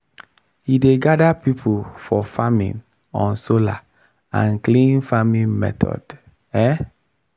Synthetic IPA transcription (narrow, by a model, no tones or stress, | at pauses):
hideɡadapipʰufɔfamḭ̃n | ɔ̃nsola̰ | ã̰nklĩnfamĩnmɛ̰tʰɔ̰d̥ | ɛ